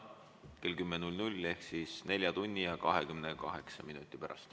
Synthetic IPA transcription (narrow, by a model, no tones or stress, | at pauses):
ke̞lkymːenulʲnulʲe̞hksisne̞lʲjɑt̪unʲːijɑkɑɦe̞kymnekɑɦe̞ksɑminut̪ˑːipæɾʔɑ̰st̪